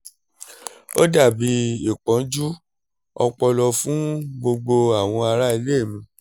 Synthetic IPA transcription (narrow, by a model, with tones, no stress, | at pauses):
o̰˦da˦˨bi˧˦i˦˨k͡pɔ̃˨˦d͡ʒu˦ | ɔ̰˧k͡pɔ˧lɔ˧fũ˦ɡ͡bo˧ɡ͡bo˧a˦˨w̃ɔ̃˧a˧ɾa˦i˧le˦e˦˨mĩ˧